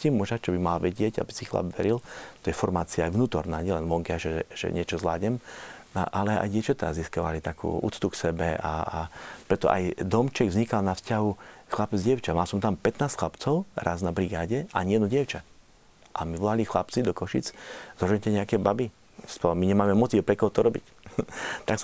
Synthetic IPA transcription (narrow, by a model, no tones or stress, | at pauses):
cimuʒat͡ʃɔbimalaʋɛɟɪɛɟa̰bisixla̰bʋɛɾilt̪ɔjɛfɔɾmaːt͡siaːjʋnuːt̪ɔɾnaːɲɪɛlɛnʋɔŋkɛaʒɛʒ̥ɛ̰ɲɪɛt͡ʃɔzla̰ːɟɲɛma̰ʔalɛa̰jɟɪɛʊt͡ʃat̪ɛɾa̰zːiskaʋa̰lit̪akʰṵːṵːt͡st̪uksɛbɛa̰pɾɛt̪ɔ̰ʔa̰jd̪ɔmt͡ʃɛɡvzɲikalnafscaɦuxlapɛd͡zɟɛʊt͡ʃamalsɔmt̪ampɛt̪naːstxlapt͡sɔʊɾa̰znabɾiɡaːɟɛʔaɲɪɛd̪nuɟɪɛʊt͡ʃa | ʔamiʋɔlalixlapt͡sid̪ɔkɔʃḭt͡szɔʒɛɲcɛɲɛakɛbabi | spɔmiɲɛmaːmɛmɔt̪iʊpɾɛkɔɦɔt̪ɔɾɔbḭc | t̪aks